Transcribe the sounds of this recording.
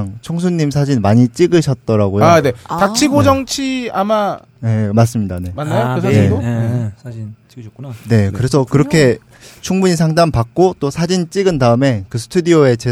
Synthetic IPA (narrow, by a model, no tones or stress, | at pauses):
ŋt͡ɕʰoŋs̬ʰuɲːimsʰad͡ʑinmaɲit͡ɕ͈iɡɯɕʰʌt̚t͈ʌɾaɡojone̞tak̚t͡ɕʰiɡod͡ʑʌŋt͡ɕʰiama | nemas̬͈ɯmɲidane̞manːaokne̞o | ne̞kɯɾe̞sʰʌkɯɾʌkʰe̞ | t͡ɕʰuŋbuɲisʰaŋdaŋpak̚k͈ot͈osʰad͡ʑint͡ɕ͈iɡɯndaɯme̞kɯsʰɯ̥tʰudioe̞t͡ɕe